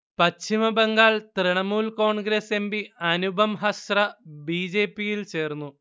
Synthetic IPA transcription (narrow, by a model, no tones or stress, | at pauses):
pɐt͡ɕʰːimɐbeŋɡaːɭt̪riɳɐmuːlko̞ːɳɡɾeːse̞mbiɐnubʱɐmɦɐsrɐbiːd͡ʑe̞ːpːijilt͡ɕe̞ːrnːu